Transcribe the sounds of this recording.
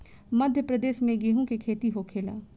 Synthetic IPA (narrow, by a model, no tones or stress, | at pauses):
mɐd̪ʱjəpɾəd̪eːʃmẽɡeːɦũkekʰeːt̪iɦokʰeːla̰ː